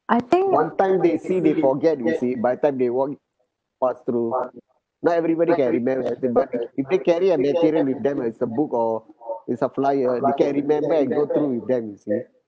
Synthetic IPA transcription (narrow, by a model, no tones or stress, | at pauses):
ʔajt̪ĩŋwãntãj̃mdesidefɔɡɛt̚jusibajt̪ãɪ̃mdewɔk̚ | past̪ɾu | nɔɛvɾibɔɾikɛ̃nɹimɛ̃mbəĩbat̚ifdekɛɹiəmɛtiɾiəlwifd̪ɛ̃mɛsəbukɔitsəflajədekɛ̃nɹimɛ̃mbəɛ̃nɡot̪ɾuwif̚d̪ɛ̃mjusi